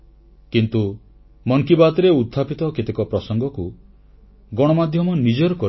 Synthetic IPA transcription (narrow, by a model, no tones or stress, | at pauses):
kint̪u | mɔŋkibat̪ɔɾeud̪ʱʰːapit̪ɔkit̪ekɔpɾɔsɔŋɡɔku | ɡɔɽ̃ɔmad̪ʱjɔmɔnid͡ʒɔɾɔkɔ